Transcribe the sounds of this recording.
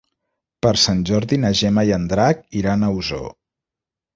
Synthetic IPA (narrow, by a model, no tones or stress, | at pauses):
pəɾsanʲʒɔɾðinəʒɛmajənd̪ɾak̚iɾanəuzo̰